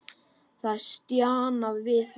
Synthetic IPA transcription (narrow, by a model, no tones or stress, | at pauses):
θaðst̪jaːnavvɪð